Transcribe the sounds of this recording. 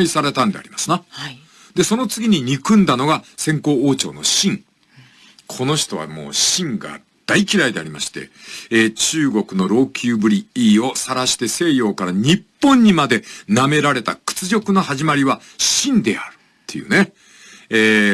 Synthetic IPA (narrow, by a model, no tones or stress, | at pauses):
isaɾe̞t̪ãnd̪e̞a̰ɾʲimasɨna | d̪e̞so̞no̞t͡sɨɡʲiɲ̟iɲ̟ikɯ̟̃nd̪ano̞ɡasẽ̞ŋko̞ːt͡ɕo̞̰ːno̞̰ɕĩŋ | kʰo̞no̞ɕi̥t̪o̞βa̰mo̞̰ːɕĩŋɡa̰ | d̪̥aikʲiɾaid̪e̞a̰ɾimaɕi̥t̪e̞̰t͡ɕɨːɡo̞kɯ̟no̞ɾo̞ːkʲʰɨːbɯ̟ɾʲiiːo̞saɾaɕi̥t̪e̞se̞ːjo̞ːkaɾaɲ̟ipːõ̞ɲ̟ːimad̪e̞name̞ɾaɾe̞t̪a̰kɯ̥t͡sɨʑʲo̞kɯ̟nohaʑimaɾʲiβa | ɕĩnd̪e̞aɾɯ̟t̪ʰːe̞̰jɯ̟̰ne̞ː